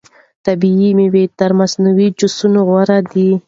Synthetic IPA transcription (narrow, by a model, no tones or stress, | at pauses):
t̪abiimewet̪aɾmasnuwid͡ʒʊsunoɣwaɾad̪i